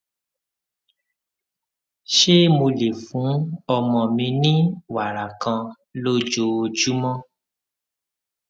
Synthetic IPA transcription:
ʃe˦mo˧le˨fũ˨˦ɔ˧mɔ̃˨mĩ˧nĩ˦wa˨ɾa˨kã˧ | lo˦d͡ʒo˧o˧d͡ʒu˦mɔ̃˦

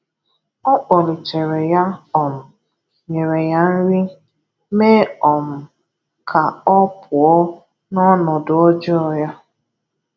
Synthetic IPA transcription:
ɔ˦k͡pɔ˨ɾi˨t͡ʃe˨ɾe˨ja˦ɔ˨m̩˨ | ɲe˨ɾe˨ja˦n̩˦ɾi˦ | meː˦ɔ˨m̩˨ | kʰa˨ɔ˦pʰʊ˨ɔ˦ | nɔ˦nɔ˨dʊ˨ɔ˦d͡ʒɪ˦ɔ˨ja˦

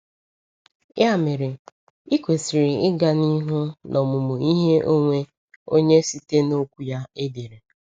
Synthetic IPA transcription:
ja˦˨mɪ˨ɾɪ˨ | i˦kʷe˨si˨ɾɪ˨ɪ˦ɡa˨ni˦ɦʊ˦nʔɔ˨mʊ˨mʊ˨i˦ɦe˦ʔo˦ŋʷe˦ | o˦ɲe˦si˦te˦no˦kʷu˦ja˦e˦de˨ɾe˨

